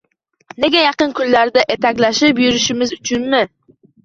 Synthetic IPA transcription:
nɪɡʲɛjɑqɨnkʲʰyllaɾd̪ɛʔet̪ækʲlaʃɪpjyɾɪʃɪmɪzyt͡ʃʰʊnmɪ

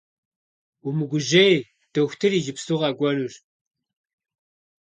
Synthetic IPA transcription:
umɨɡʷʊʒej | d̥ɐxʷtʰɨriːʒɪpsuʁɐɡʷɔnur

